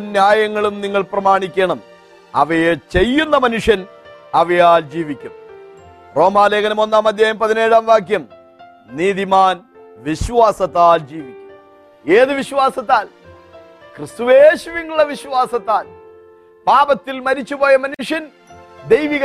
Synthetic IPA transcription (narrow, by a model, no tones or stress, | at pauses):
njaːjɐŋːɐɭumniŋːɐɭprɐmaːɳikʲːeɳɐm | ɐ̰ʋɐjet͡ɕe̞jːunːɐmɐnuʂjɐn | ɐʋɐjaːld͡ʑiːʋikʲːum | ro̞ːmaːleːɣɐnɐmo̞nːaːmɐd̪jaːjɐmpɐðine̞ːɻaːmʋaːkjɐm | niːðimaːn | ʋiɕʋaːsɐt̪ːaːld͡ʑiːʋikʲːum | eːðɨʋiɕʋaːsɐt̪ːaːl | krɨst̪uʋeːɕuʋiŋːuɭɐʋiɕʋaːsɐt̪ːaːl | paːbɐt̪ːilmɐɾit͡ɕːupo̞ːjɐmɐnuʂjɐn | d̪ejʋiɣ